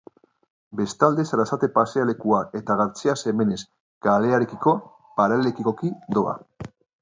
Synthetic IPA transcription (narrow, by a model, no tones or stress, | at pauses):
be̞st̪ald̪e̞saɾasat̪e̞paseale̞kuae̞t̪aɣaɾt͡sease̞me̞ne̞s | ɡ̥ale̞aɾe̞kiko̞ | paɾalekiko̞kid̪o̞a̰